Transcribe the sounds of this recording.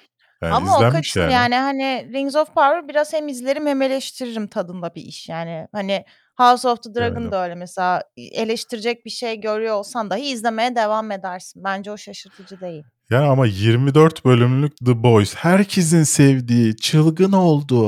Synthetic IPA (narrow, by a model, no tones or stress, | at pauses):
amaokat͡ʃjaːnihaniɾiɲŋzofpʰaɾvɯɾbiɾaz̥hemizlʲe̞ɾimheme̞lʲɛʃt̪ʰiɾiɾimt̪ʰad̪ɯnd̪abiʔiʃjaːnɪhanɪ | havsoft̪ʰɯd̪ɯɾaɡɯnd̪aø̞jlʲɛmɛse̞lʲaːe̞lʲeʃt̪ʰiɾid͡ʒɛc̚biʃejɟø̞ɾyjoolˠsand̪aɦɯizlʲe̞me̞jɛd̪e̞vame̞d̪æɾsɯnbænd͡ʒɛo̞ʃaʃɯɾt̪ʰɯd͡ʒɯd̪e̞jilʲjaːniamajiɾmid̪øɾt̪bø̞lʲymlʲyc̚d̪ɯbo̞jshæɾcʰes̬insɛvd̪iːt͡ʃʰɯlˠɡɯno̞lˠd̪u